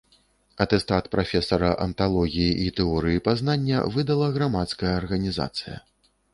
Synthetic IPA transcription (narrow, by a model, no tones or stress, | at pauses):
ɐt̪ɛst̪at̪pɾʔafʲɛsɐɾɐʔɐ̰nt̪alˠɔɣʲijiʔit̪ɛɔɾɨjipaznanʲːɐ̰vɨd̪ɐlˠɐɣɾamat̪skɐjɐːrɣɐnʲiza̰t̪sɨjɐ̰